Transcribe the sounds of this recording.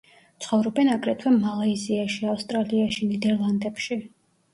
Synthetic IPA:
t̪sʰχɔvɾɔbɛnaɡʼɾɛt̪ʰwɛmalaiziaʃiafst̪ʼɾaliaʃinid̪ɛɾlˠand̪ɛpʃi

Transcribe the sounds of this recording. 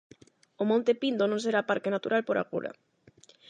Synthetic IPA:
omõnt̪epind̪onõnseɾapaɾkenat̪uɾalpoɾa̰ɣṵɾa̰

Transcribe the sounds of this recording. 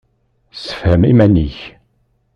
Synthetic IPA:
sə̥fhəmimæniç

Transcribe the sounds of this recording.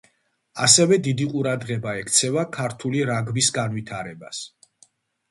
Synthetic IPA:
asɛvɛd̪id̪iqʼuɾad̪ʁɛbaɛkʰt̪sʰɛvakʰaɾt̪ʰuliɾaɡvisɡanwit̪ʰaɾɛba̰s

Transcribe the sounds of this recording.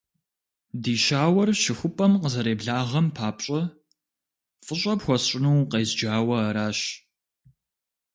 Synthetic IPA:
diːʃaːwɐrʃɪxʷʊpʼɐmqəzɐɾeːbɮaːʁɐmpʰaːpɕʼɐ | fʼəɕʷʼɐpxʷɔɕʼɪnuwqeːzd͡ʒaːwɐɐɾaːɕ

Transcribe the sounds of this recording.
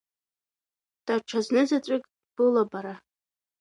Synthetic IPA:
d̥aʈ͡ʂʷʰaznɨzat͡ʃʷʼɪkʼ | b̥ɨlabaɾa

